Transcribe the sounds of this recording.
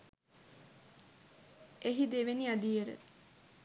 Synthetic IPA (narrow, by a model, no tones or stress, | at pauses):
eɦid̪eʋeniad̪ijeɾə̰